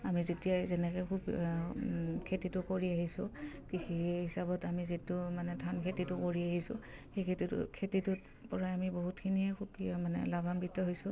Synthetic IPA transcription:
amizetijazɛnɛkɛkʰub | kʰetitʊkoɹiaɦisʊ̃ | kixiɦisabɔtamizitʊmanɛtʰankʰetitʊkoɹiaɦisʊ̰xejkʰetitkʰetitʊ | pɔɹaamiboɦutkʰiniɛkʰubkiɔmanɛ̰labʱambitːɔɦojsʊ

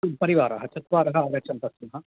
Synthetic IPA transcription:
pɐɾiʋaːɾɐɦɐt͡ʃɐt̪ʋaːɾɐɦɐaɾɐt͡ʃɐnp̪ɐsunɦɐ

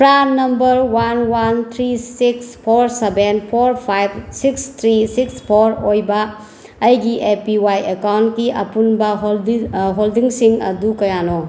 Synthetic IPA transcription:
pɾanɐmbɐɾwanwant̪ʰɾisikspʰoɾsebenpʰoɾpʰajbsikst̪ʰɾisikspʰoɾojbɐː | jɡiʔepiwajekawntkiʔɐ̰punbɐɦɦoldiŋsiŋɐ̰dukɐjano

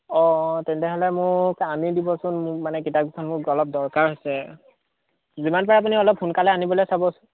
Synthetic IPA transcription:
ɔ̃tɛntɛɦɔlɛmʊɹkamidibɔsʊnmanɛkitaɡikʰɔnmʊɹkɔlɔp̚dɔɹkaɹɦojsɛ | zimanpɔɹaap̬uniɔlɔp̚xunkalɛanibɔlojsabɔsʊ̥n

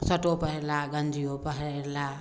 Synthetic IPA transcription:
sʌʈopəɦeɾlaɡənd͡ʒijopəɦeɾla

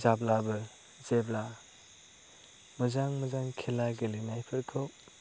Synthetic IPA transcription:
zablabɯ | zeb̚la | mɯzaŋmɐzaŋkʰelaɡelinajpʰɯɾkʰɯ

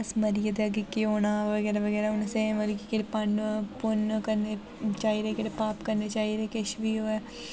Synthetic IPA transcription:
sməɾɪjad̪eəɡekeoːnaːʋəɡɛːɾaːʋəɡɛːɾɛʊnsẽʋəlkikeɽepəɳpʊnkəɾneː | t͡ʃaːiːɾeːkeɽepaːpkəɾneːt͡ʃaːiːɾeːkɪʃʋiːoːɛː

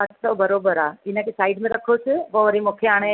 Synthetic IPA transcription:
ɐʈʰsɔbɐɾoːbəɾaːɪnə̃kʰesaːɪɖmẽɾɐkʰosɪʋɐʋɐɾimokʰeaːɽ̃e

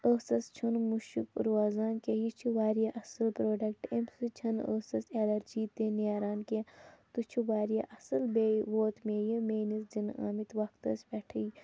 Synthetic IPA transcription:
əːsɐst͡ʃʰunmuʃṵkɾuaːzaːnkejit͡ʃʰiʋaːɾijaʔɐsɐlpɾoːɖɐkʈemsɨt͡ʃʰɐnəːsɐselɐɾd͡ʒiːt̪enaːɾaːnket̪ut͡ʃʰuʋaːɾjaʔɐsɐlbeːʋoːt̪meːjɐmeːnisd͡ʒina̰ːmit̪ʋɐkt̪ɐspɛʈʰij

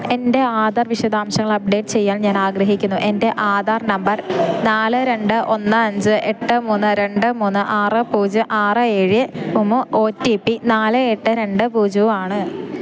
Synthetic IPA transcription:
e̞nde̞aːd̪arʋiʂɐd̪aːmɕɐŋːɐɭɐp̚ɖe̞ːʈːɨ̥t͡ɕe̞jːaːnɲaːnaːɡɾɐɦikʲːunːuʔe̞nde̞ʔaːd̪aːrnɐmbɐrnaːlɨɾe̞ɳɖɨʔo̞nːɨɐɲd͡ʑɨʔe̞ʈːɨmuːnːɨɾe̞ɳɖɨmuːnːɨʔaːrɨpuːd͡ʑɨʔaːrɨeːɻiumːuo̞ːtːipːinaːlɨeʈːɨɾe̞ɳɖɨpuːd͡ʑuːaːɳɨ

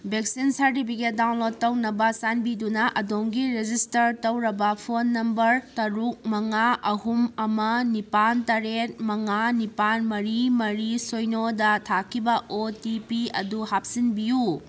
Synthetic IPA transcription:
bʱek̚sinsɐɾtipʰiket̚dawnlod̚tːɐwnɐbɐsanbidunɐʔɐdoŋɡiɾed͡ʒistɐɾtɐwɾɐbɐpʰonːɐmbɐɾtɐɾuk̚mɐŋaʔɐɦumɐmɐnipantɐɾet̚mɐŋanipanmɐɾimɐɾisojnodɐtʰakʰibɐʔotipiɐ̰duhap̚sinbiju

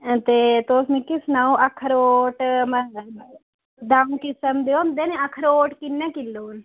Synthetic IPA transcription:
t̪et̪oːsmĩkisnaõʔɐkʰəɾoːʈm | d̪aːũkisəmd̪eomd̪eːnẽɐkʰɾoːʈkinːekilːoːn

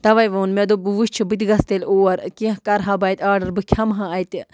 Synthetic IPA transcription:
t̪ɐʋɐjʋɐːnmed̪obɨʋuʃt͡ʃʰibɨt̪ʲiɡɐst̪elʲoːɐɾkiɦkɐɾɦabɐjt̪ʲaːɖɐɾbɨkʲʰɐmɦãɐjt̪i

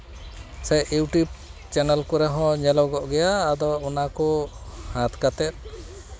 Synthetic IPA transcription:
sɛʔjuʈjub̚t͡ʃɛnɛlkɔɾɛɦɔ̃ɲɛlɔɡɔʔɡɛjaːd̪ɔunakɔhat̪kat̪ɛt̪̚

